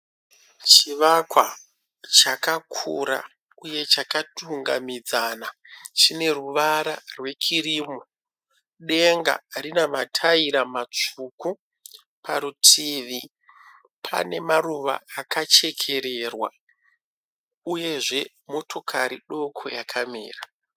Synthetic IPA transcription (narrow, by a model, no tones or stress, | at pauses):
t͡ʃiʋakwa̰ | t͡ʃakakʰuɾa̰ | uje̞t͡ʃakatuŋɡa̰mid͡zaːna | t͡ʃine̞ruʋaɾa̰rwe̞t͡ʃiriːmo | ɗe̞ŋɡa̰ɾinaʋatʰaiɾamat͡ʂuku | pʰaɾutʰiʋi | pʰa̰ne̞maruʋa̰ːkat͡ʃe̞kʰe̞ɾerwa̰ | uje̞ʐe̞ | mo̞to̞kʰaɾiɗo̞kʰo̞̰jakʰamḭːra